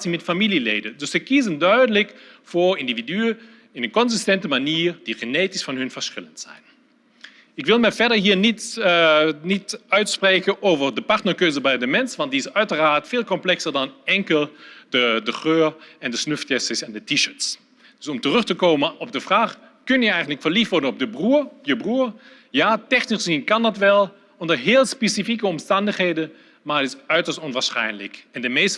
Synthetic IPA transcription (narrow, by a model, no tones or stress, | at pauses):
simɛtfamililḛːdəndʏssɛjkizəndœɥdələkfʊːɹɪndividyə | ɪnənkɔnzɪstɛntəmaniːɹd̥iχəneːtɪsfɑnɦɵnvəɹsχɪləntz̥ɛ̰jn | ɪkʋɪlˠmɛjvɛɹdəɹɦiːnit | nitœɥtspreːkənoːvərdəpartnəɹkøːzəbɛjdəmɛnsʋɑnt̚diɪsœɥtəraːtfeːlˠkɔmplɛksəɹdɑnɛŋkəlˠd̥ədəχøːɹɛndəsnøftɛsɪsɛndətiʃəts | d̥ɵsɔmtərʏxtəkoːmənɔb̚dəfraːχ | kɵnjəɛjɣən̩tləkfəɹliftʋɔɹdənɔp̚dəbrujəbruːɹ | jaːtɛxnisinkɑndɑtʋɛlˠ | ɔndəɹɦɪːlˠspesifikəɔmstɑndəχheːdə | maɹətɪsœɥtəstɔnʋaːsχɛ̰jnlɪkɛndəmeːs